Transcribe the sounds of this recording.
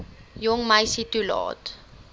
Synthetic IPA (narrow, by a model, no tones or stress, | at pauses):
jɔŋmajsitulɑ̰ːt